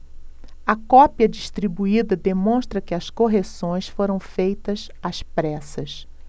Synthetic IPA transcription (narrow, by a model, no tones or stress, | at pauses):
ɐkɔpiɐd͡ʒiʃt̪ɾibuid̪ɐd̪emõʃt̪ɾɐkɪɐskoɦesõj̃sfoɾɐ̃w̃fejt̪ɐs | aspɾɛsɐs